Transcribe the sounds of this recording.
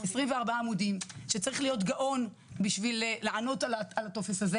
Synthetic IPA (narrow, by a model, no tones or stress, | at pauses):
esʁimveaʁbaaːmudimʃet͡saʁiχlijo̞tɡaʔo̞n | biʃvilːeʕano̞talaalato̞fesaze